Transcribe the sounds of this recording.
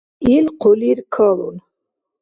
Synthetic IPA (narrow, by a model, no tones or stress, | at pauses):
ilqʰɔliɾkʰɔlṵn